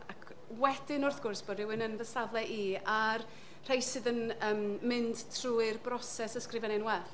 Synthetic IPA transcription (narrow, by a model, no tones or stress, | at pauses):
akʰ | wɛd̥ɪnʊrθɡ̥ʊrsb̥ɔdɪwɨnənvəsavlˠɛʔiar | r̥ejsɨðənəmmɪnd̥tʰruːɨrbrɔsɛsəskrɪvɛnɪnwɛθ